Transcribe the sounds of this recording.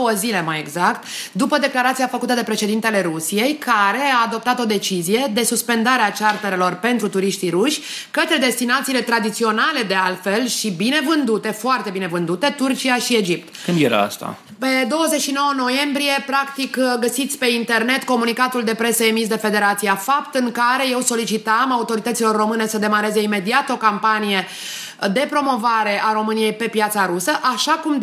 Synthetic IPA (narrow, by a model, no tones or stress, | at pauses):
owəzile̞maje̞ɡzakt̪d̪upəd̪e̞klaɾat̪sijafəkut̪əd̪e̞pɾe̞ʃe̞d̪int̪e̞le̞ɾusije̞jkʰaɾe̞aːd̪o̞p̚t̪at̪o̞d̪e̞t͡ʃizije̞d̪e̞suspe̞nd̪aɾeat͡ʃart̪eɾelo̞rpe̞nt̪ɾut̪uɾiʃt̪iɾuʃʲkət̪ɾe̞d̪e̞st̪inat̪siːle̞t̪ɾad̪it̪sio̞nale̞d̪e̞alfe̞lʃibine̞vɨnd̪ut̪e̞foart̪e̞bine̞vɨnd̪ut̪e̞t̪urt͡ʃiaʃie̞d͡ʒip̚t̪kɨnd̪jḛɾa̰a̰st̪a̰ | pe̞d̪o̞wəzet͡ʃʃino̞wəno̞je̞mbɾije̞pɾakt̪ikɡəsit̪sʲpe̞int̪e̞rne̞t̪ko̞munikat̪uld̪e̞pɾe̞səemis̬d̪e̞fe̞d̪e̞ɾat̪sijafapt̪ɨŋkaɾe̞je̞wso̞lit͡ʃit̪amaut̪o̞ɾit̪ət̪silo̞rːo̞mɨne̞səd̪e̞maɾe̞ze̞ime̞d̪iat̪o̞kampanije̞ | d̪e̞pɾo̞mo̞vaɾe̞ʔaɾo̞mɨnije̞jpe̞pjat̪saɾusəʔaʃakum